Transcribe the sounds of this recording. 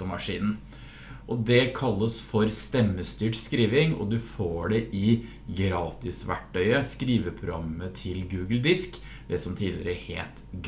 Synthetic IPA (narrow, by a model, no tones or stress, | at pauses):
əmɑʂḭːnn̩ | ʔɔd̪ɛkʰɑlːəsfɔɾst̪ɛmːəst̪yːʈskɾiːʋɪŋɔ̰d̪ʉfoːɖɛʔɪ | ɡɾɑːt̪ɪsʋæ̰ʈʰːœʏəskɾiːʋəpʰɾʊ̰ɡɑ̰mət̪ʰɪlɡʉːɡəld̪ɪsk | d̪ɛsɔmt̪ʰiːlɪ̰ɾəhḛːt̪ɡ